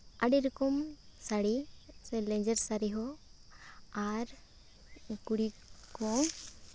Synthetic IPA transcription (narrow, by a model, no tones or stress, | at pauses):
aɽiɾkɔmsaɽiselẽɲd͡ʒəɾsaɾiɦɔ | aɾ | kuɽikɔw